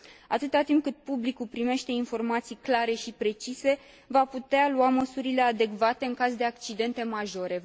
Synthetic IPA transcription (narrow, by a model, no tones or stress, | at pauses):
at̪ɨt̪at̪imp̚kɨt̪̚publikulpɾime̞ʃt̪e̞info̞rmat̪sijklaɾe̞ʃipɾe̞t͡ʃise̞ | vaput̪ealuaməsuɾile̞ad̪e̞kvat̪e̞ɨŋkazd̪e̞ak̚t͡ʃid̪e̞nt̪e̞maʒo̞ɾe̞